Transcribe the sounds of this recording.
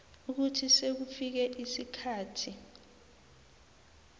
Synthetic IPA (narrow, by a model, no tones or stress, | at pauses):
uk̬utʰisek̬ufik̬ɛʔisikʰaːtʰi